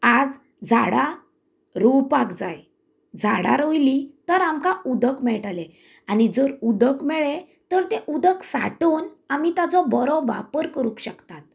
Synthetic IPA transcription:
ad͡z | d͡zʱaɽa | ɾupakd͡zaj | d͡zʱaɽa̰ɾojlit̪əɾamkaud̪əkmɛɭʈale | añid͡zoɾud̪əkmɛɭe | t̪əɾt̪ẽʔud̪əksa̰ʈuːnamit̪at͡sɔbəɾɔʋa̰pəɾkəɾũkɕəkt̪at̪̚

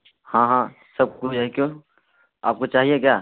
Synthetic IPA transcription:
hãːɦãːsɐb̚kud͡ʒɛkjõː | aːp̚kot͡ʃaːɦiek̬jaː

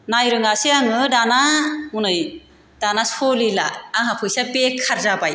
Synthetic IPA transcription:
najɾɯŋaseaŋɯdanamunɯj | d̥anasolilaːŋɦapʰɯjsabekʰːaɾzabaj

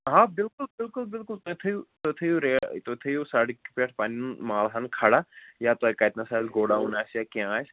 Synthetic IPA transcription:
ɦãːbɪlkʊlbɪlkʊlbɪlkʊlt̪ot̪ʰejut̪ot̪ʰejuɾeːt̪ot̪ʰejusaɽikːi̥peʈʰpaːninmaːlɦɐnkʰaɽajaːt̪oekajt̪nasaːzɡoːɽaɦunaːsjakiãs

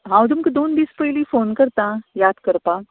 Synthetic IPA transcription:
ɦãːw̃d̪ʊmked̪oːnbiːspɐilifoːnkɐɾt̪ãjaːd̪kɐɾpaː

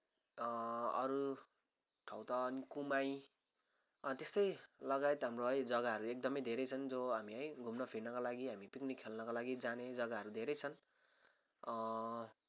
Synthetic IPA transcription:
ʌɾu | ʈʰʌwt̪ʌːnikumaj | t̪est̪ʌjlʌɡajet̪ɦamroɦʌjd͡zʌɡaɦʌɾuek̚d̪ʌmʌjd̪ʱeɾʌjt͡sʰʌnd͡zoɦamiʌjɡʱumnʌpʰiɽnʌkalaɡiɦamipiknikʰːelnʌkalaɡid͡zaned͡zʌɡaɦʌɾud̪ʱeɾʌjt͡sʰʌn

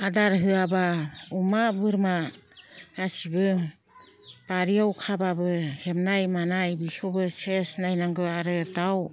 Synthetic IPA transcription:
adaɾɦɯabaumabɯɾma | kasibɯ | paɾiawkʰababɯhemnajmanajbisɔbɯsesnajnaŋɡɯaɾɯtaw

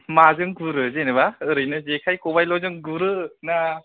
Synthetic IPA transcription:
mazɯŋɡuɾɯzenɯbaɯɾɯjnɯzekʰajkʰobajlɔzɯŋɡuɾɯna

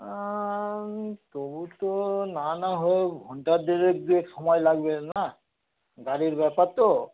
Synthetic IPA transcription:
t̪obut̪onanaɦojbʱɔɳʈad̪iɾek̚d̪iekʃɔmɔjlaɡbena | ɡaɾiɾbɛpaɾt̪o

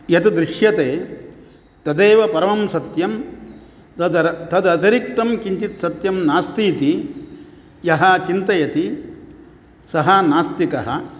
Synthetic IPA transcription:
jɐt̪ɐd̪ɾɪʃjɐt̪eː | t̪ɐd̪eːʋɐpɐɾɐmɐmsɐt̪jɐm | ɐd̪ɐt̪ɐd̪ɐt̪ɐɾik̚t̪ɐmkiɲt͡ʃit̪sɐt̪jɐmnaːst̪iːt̪i | jɐɦɐt͡ʃint̪ɐjɐt̪i | sɐɦɐnaːst̪ikɐɦɐ̰̆

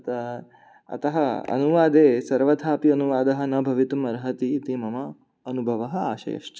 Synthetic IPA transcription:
ɐt̪ɐ | ɐ̰t̪ɐɦɐɐ̰nuʋaːd̪eːsɐɾʋɐd̪ʱʰaːpiɐnuʋaːd̪ɐɦɐnɐbʱɐʋit̪umɐɾɦɐt̪it̪imɐmɐː | nubʱɐʋɐɦɐaːʃɐ̰jɐ̰ʃt͡ʃɐ

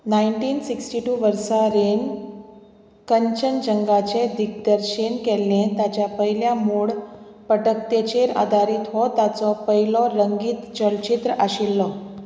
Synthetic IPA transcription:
naiɳʈiːnsiksʈiʈuːʋəɾsaɾen | kəɲt͡ɕənd͡ʑəŋɡat͡ɕed̪ik̚d̪əɾɕinkɛlːẽt̪jat͡ɕjapəɦiljamuɭ | pəʈək̚t̪et͡ɕeɾa̰d̪ʱaɾiːt̪ɦɔt̪at͡sɔpəɦilɔɾəŋɡiːt̪d͡ʑəɭt͡ɕit̪ɾəaɕilːɔ

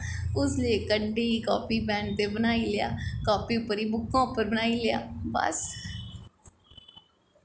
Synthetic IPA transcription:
ʊsleːkəɳiːkɔːpiːbɛ̃ːɳɖt̪eːbənaːiːlɪja̰ːkɔːpiːʊpːəɾiːbʊkːãːʊpːəɾbənaːiːlɪja̰ːbə̰s

